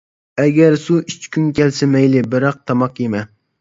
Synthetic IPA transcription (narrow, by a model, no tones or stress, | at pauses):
ɛɡʲɛɾsuit͡ʃʰkʲʰynkʲɛlsɪmɛjlɪbɪɾɑq̚t̪ʰɑmɑqjemɛ